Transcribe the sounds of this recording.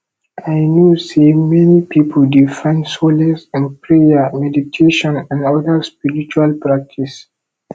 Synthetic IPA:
ʔajnjusemɛnipipʰoldifãɪ̃nsolɛsɛ̃npʰɹejamɛditʰeʃɔ̃nɛ̃nɔdaspiɹit͡ʃualpɹak̚tʰis

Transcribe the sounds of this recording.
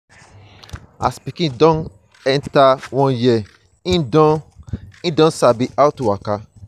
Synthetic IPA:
a̰spikĩdɔ̃n | ɛntawɔ̃jɛ | ĩdɔĩdɔ̃nsabiʔaʊtuwaka

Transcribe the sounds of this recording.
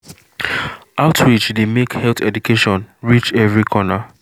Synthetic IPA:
aʊtʰwit͡ʃdemekhɛlθɛdukʰeʃɔ̃nɹit͡ʃɛvɹikʰɔna

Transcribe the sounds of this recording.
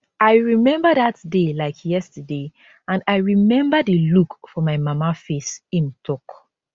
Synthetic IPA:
aɪɹimɛ̃mbədatdelaɪkʰjɛstəde | ãndaɪɹimɛ̃mbədilukfɔmaɪmamafesĩmtʰɔk

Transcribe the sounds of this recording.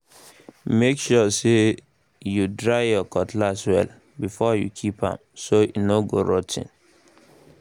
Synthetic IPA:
mekʃɔse | judɹaɪjɔkɔtlaswɛ̰l | bifɔjṵkʰipã̰msoḭnoɡoɹɔtḭ̃n

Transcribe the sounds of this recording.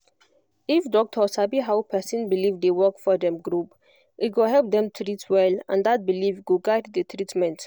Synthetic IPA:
ifdɔk̚tʰɔsabiɦawpʰɛsĩnbilivdewɜkfɔdɛ̃mɡɾup | ʔiɡoɦɛlp̚d̪ɛ̃mtʰɾitwɛlã̰nd̪at̚bilivɡuɡajddətʰɹitmɛ̃nt

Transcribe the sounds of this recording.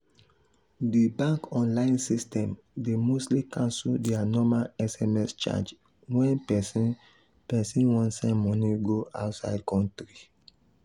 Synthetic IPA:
dibãŋkɔ̃nlãɪ̃nsistʰɛ̃m | demostlikãnsuldɛanɔmaɛsɛmɛst͡ʃa̰d͡ʒ | wɛ̃npɛsĩ | pɛsĩnwɔ̃ntsɛ̃nmɔ̃niɡoa̰ʊtsa̰ɪd̚kɔ̃ntɹi

